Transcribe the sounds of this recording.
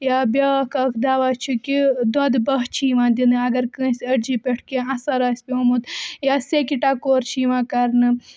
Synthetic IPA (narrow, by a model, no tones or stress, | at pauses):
jaːbʲakʰɐkʰd̪aːʋaːt͡ʃʰukid̪ɐd̪bɐɦt͡ʃʰiːʋãːd̪inɨɐɡɐɾkə̃ːsʲɐɽd͡ʒipʲeʈʰkẽɐ̃sɐɾaːsʲpʲiomut̪jaːsekiʈaːkoːɾt͡ʃʰiːʋãːkɐɾnɨ